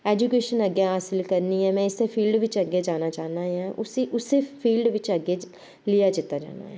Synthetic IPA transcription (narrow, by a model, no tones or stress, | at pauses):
ɛːd͡ʒuːkeːʃənəɡjaːɦaːsɪlkəɾniːɛːmɛ̃ːɪsepʰiːlɖʋɪt͡ʃəɡeːd͡ʒaːnaːt͡ʃaːnaːjãːʔʊsiʔʊsepʰiːlɖʋɪt͡ʃəɡeː | lɪjaːd͡ʒɪt̪ːaːd͡ʒa̰ːna̰ːɦɛː